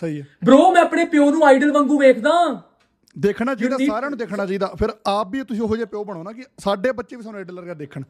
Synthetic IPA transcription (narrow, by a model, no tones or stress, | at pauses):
səiːɛbɾoːmɛ̃ːəpɽeːpɪjoːnũːaːiɖəlʋə̃ŋɡũːʋeːkʰd̪aː | d̪eːkʰnaːt͡ʃaːiːd̪aːsaːɾjaːnũːd̪eːkʰnaːt͡ʃaːid̪aːpʰɪɾaːpiːt̪ʊsĩːoɦoːd͡ʒeːpɪjoːbəɽ̃aːnaːkɪsaːɖeːbətːʃeːʋiːsaːnuːaːɖəlːəɾɡeːd̪eːkʰəɳ